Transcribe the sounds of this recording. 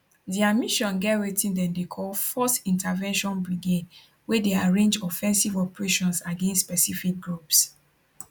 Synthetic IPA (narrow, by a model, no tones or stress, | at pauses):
diamiʃɔ̃nɡɛtwetĩndɛ̃ndekʰɔlfɔstĩntavɛ̃nʃɔ̃nbɹiɡed | wedeaɹẽnd͡ʒɔfɛ̃nsivɔpɹeʃɔ̃nsaɡẽnstːspɛsifik̚ɡɹups